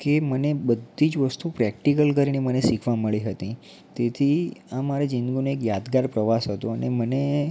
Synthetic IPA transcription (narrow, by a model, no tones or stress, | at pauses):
kemənebəd̪ʱːid͡ʒʋəst̪upɾɛk̚ʈikəlkəɾinemənesikʰʋaməɭiɦət̪ĩ | t̪et̪ʰiãmaɾad͡ʒĩnɡunoekjad̪ɡaɾpɾəʋasɦət̪õəneməne